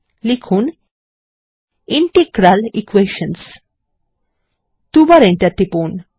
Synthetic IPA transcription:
likʰuːn | iɳʈekɾalikʋeʃəns | t̪ubaɾẽnt̪jat̪ːipon

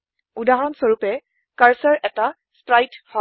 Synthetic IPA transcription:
udaɦɔnsoɹupɛ | kaɹsɔɹʔɛta | spɹajtfɔ

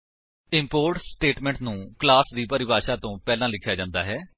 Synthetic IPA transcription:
ɪmpoːɾʈsʈeːʈmɛ̃ːɳʈnũːklaːsd̪iːpəɾɪbaːʃaːt̪õːpɛːlãːlɪkʰːjaːd͡ʒãːnd̪a̰ːɦɛː

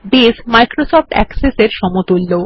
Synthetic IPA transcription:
besmajkɾosɔfʈɛ̰kseseɾʃɔmot̪ulːo

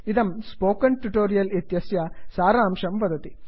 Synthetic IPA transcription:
id̪ɐmspoːkɐɳʈuʈoːɾijɐlet̪jɐsjɐsaːɾaːmʂɐmpɐd̪ɐt̪i

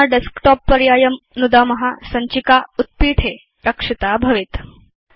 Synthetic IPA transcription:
aɖeskʈɔpːəɾjajəmnud̪amɐɦasɐɲt͡ɕikaut̪̚piʈʰe | ɾəkʂit̪abʱɐʋit̪

